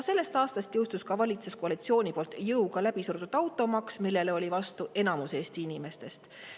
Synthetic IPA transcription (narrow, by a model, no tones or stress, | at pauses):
se̞lːe̞st̪ɑːst̪ɑst̪jɤwst̪uskɑvɑlʲit̪suskoɑlit̪sio̞ːnʲipo̞lt̪ːˑjɤuɡɑlæb̥isurd̪ud̪̥ɑwt̪ːˑo̞mɑksmilːe̞leo̞lʲivɑst̪uʔe̞nɑmuse̞ːst̪iinʲime̞st̪e̞st̪